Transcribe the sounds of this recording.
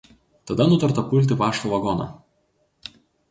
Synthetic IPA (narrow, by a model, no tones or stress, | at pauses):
t̪ɐd̪ɐnʊt̪ɐɾt̪ɐpʊlʲt̪̬ʲɪpɑːʃt̪uʋɐɡɔnɐ̰